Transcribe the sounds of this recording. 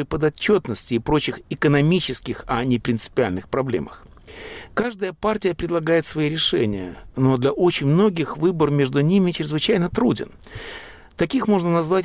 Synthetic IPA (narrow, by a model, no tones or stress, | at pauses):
ɨpəd̪ɐt͡ɕːo̞t̪nəsʲtʲɪːpɾo̞t͡ɕɪxɪkənɐmʲit͡ɕɪskʲɪxɐnʲɪpɾʲɪnt̪sɨ̥pʲɪalʲnɨxpɾɐblʲḛməx | kaʐd̪əjəpartʲɪjəpɾʲɪd̪lˠɐɡajɪt̪svɐiɾʲɪʂɛ̰nʲɪ̰jə̰no̞d̪lʲɐʔo̞t͡ɕɪnʲmno̞ɡʲɪxvɨbərmʲe̞ʐd̪ʊnʲimʲɪt͡ɕɾʲɪzvɨt͡ɕæjnət̪ɾudʲɪ̰n | t̪ɐkʲixmo̞ʐnənɐzvatʲ